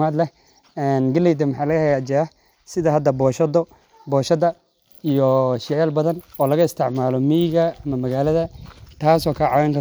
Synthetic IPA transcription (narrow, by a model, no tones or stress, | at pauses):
mad̪lɛh | ɛːnɡɐlɛjd̪ɐmɑħɑːlɐɣɐhɛjat͡ʃɐɐ | sɪðɐɦɐd̪ːɐbɔːʃɐd̪ɔ | bɔːʃɐd̪ɐ | ijɔʃɪʕalbɐðɐnɔːlɐɣɐɪst̪ʰɪʕmaːlɔmiːɣɐɐmɐmɐɣaːlɐðɐt̪ʰaːsɔːkʰɐʕɑwɛŋkʰɐ